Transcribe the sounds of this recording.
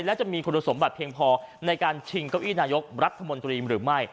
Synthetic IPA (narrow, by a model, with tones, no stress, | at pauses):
lɛː˦˥wt͡ɕa˨˩miː˧kʰu˧na˧so˩˦mbaː˨˩t̪̚pʰːi˧əŋpʰɔː˧na˧jkaː˧nt͡ɕʰi˧ŋkaː˧˩wʔiː˥˩naː˧jo˦˥k̚ɾa˦˥t̪ʰːa˧mo˧nt̪ɾiː˧ɾɯː˩˦ma˥˩j